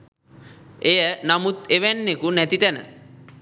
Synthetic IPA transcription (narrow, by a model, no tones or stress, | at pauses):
ejənamut̪eʋænːekunɛt̪it̪ænə̰